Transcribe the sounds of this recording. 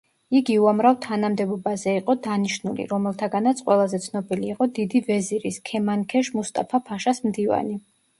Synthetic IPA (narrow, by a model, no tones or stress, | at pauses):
iɡiuamɾavt̪ʰanamd̪ɛbɔbazɛiqʼɔd̪aniʃnulḭɾɔmɛlˠt̪ʰaɡanat̪sʰʼqʼwɛlˠazɛt̪sʰnɔbiliːqʼɔd̪id̪ivɛziɾiskʰɛmankʰɛʃmust̪ʼapʰapʰaʃasmd̪iva̰ni